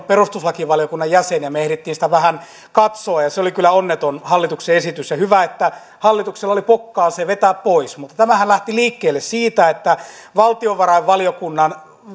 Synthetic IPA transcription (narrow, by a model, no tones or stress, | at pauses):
perust̪uslɑkiʋɑljokunːɑjjæsenjɑmeehrit̪ːiːnsi̥t̪æʋæhæn | kɑt̪soɑjɑseolikylːˑæonːet̪onhɑlːit̪ukseesit̪ysjɑhyʋæet̪ːæ | hɑlːit̪ukselːɑolipokːɑːseʋet̪æːppoismut̪ːɑt̪æmæhænlæht̪iliːkːeːlːessiːt̪æet̪ːæ | ʋɑlt̪ioʋʋɑrɑiʋʋɑlijokunːɑn